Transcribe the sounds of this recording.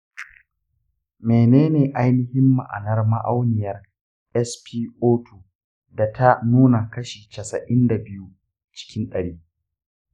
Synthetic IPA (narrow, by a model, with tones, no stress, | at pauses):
meː˨neː˦neː˨ʔa˦jnɪ˦hɪ˦mːa̰˨ʔa̰˨nɐ˦rma˦ʔa˦wnɪ˨jɐ˦r | ʔɛ˦spiː˦ʔoː˦tu˨ | da˨ta˦nuː˦na˨kɐ˦ʃiː˨t͡ʃɐ˨sɐ˨ʔɪ˦nda˨bɪ˦ju˦ | t͡ʃɪ̥˦kʲɪ˦nɗɐ˨ɽiː˦